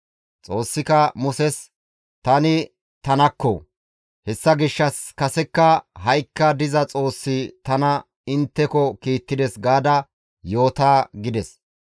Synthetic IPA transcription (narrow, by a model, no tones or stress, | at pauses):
t͡sʼo̞ːsːɪkɐmʊsɛs | t̪ɐnɪ | t̪ɐnɐkːɔ̰ | hɛsːɐɡɪʃːɐskɐsɛkːɐɦɐjkːɐd̪ɪzɐt͡sʼo̞ːsːɪt̪ɐnɐ | ɪnt̪ːɛkɔkiːt̪ːɪd̪ɛsɡaːd̪ɐ | jo̞ːt̪aːɡɪd̪ɛs